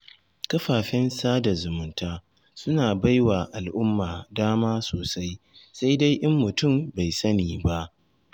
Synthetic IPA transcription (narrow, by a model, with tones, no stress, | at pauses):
kɐ˦ɸaː˨ɸɪ˦nsaː˦da˨zʊ˨mʊ˦ntaː˦ | sʊ˦naː˨ba˦jwaː˨ʔa˨lʔʊ˦mːaː˨daː˦maː˦soː˨sa˦j | sa˦jda˦jʔɪ˦mːʊ˨tʊ˦˨mba˨jsɐ˦niː˨ba˦ʔ